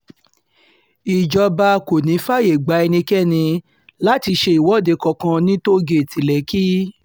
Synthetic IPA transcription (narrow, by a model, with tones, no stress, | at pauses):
i˨d͡ʒɔ˧ba˧ko˨nĩ˨˦fa˦˨je˨ɡ͡ba˨˧˦ɛ˧nĩ˧kɛ˦˨nĩ˧ | la˦ti˧ʃe˧i˨wɔ˨˦˨de˨˧kɔ˧kã˧nĩ˦to˦ɡe˦˨ti˨lɛ˨˦ki˦